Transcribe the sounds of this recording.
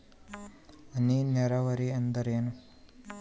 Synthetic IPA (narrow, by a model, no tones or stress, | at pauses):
ɐninɛɾɐʋɐɾiend̪ɐɾeːnu